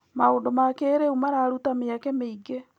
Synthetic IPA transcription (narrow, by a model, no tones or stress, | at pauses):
maoːndomakeːɾeumaɾaːɾutameakɛmeiɡe